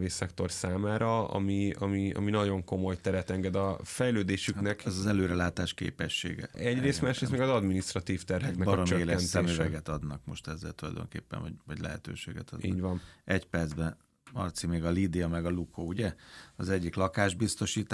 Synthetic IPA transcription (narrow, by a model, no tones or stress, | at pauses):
veːsɛkt̪o̞rsaːmaːɾɒɒ̰miɒ̰miɒ̰minɒɟo̞ŋko̞mo̞jt̪ɛɾɛt̪ɛŋɡɛd̪ɒfɛjløːd̪eːʃyknɛkɛzɒzɛløːɾɛlaːt̪aːʃkḛːpɛʃːḛːɡɛ̰ɛɟreːst̪maːʃrest̪mɛɡɒzɒd̪minist̪rɒt̪iːft̪ɛrɦɛknɛkbɒɾot͡ʃøeːklɛːɛnt̪ɛmyɛɡɛt̪ɒd̪nɒkmo̞ʃt̪ɛzːɛ̰lt̪ulɒ̰jd̪o̞̰ŋkḛːpːɛ̰nvɔɟvɒɟlɛ̰ɦɛ̰t̪ø̰ːʃeːɡɛ̰t̪ɒ̰d̪ḭːɟvɒnɛcpɛrd̪zbɛ | mɒ̰rt̪simeːɡɒlid̪iɒmɛɡɒlukʰoːuɟɛɒzɛɟːiklɒkaːʒbist̪o̞ʃiːt̪